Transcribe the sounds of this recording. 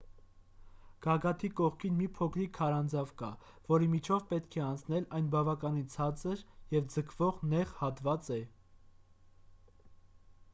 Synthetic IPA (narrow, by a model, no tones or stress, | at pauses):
ɡ̥ɑɡɑt̪ʰikɔʁkʰinmipʰɔkʰɾikʰɑɾɑnd͡zɑvkɑ | vɔɾimit͡ʃʰɔvpɛt̪kʰɛɑnt͡sʰnɛlɑjnbɑvɑkɑnint͡sʰɑt͡səɾjɛvd͡zəkʰvɔʁnɛʁhɑt̪vɑt͡sɛ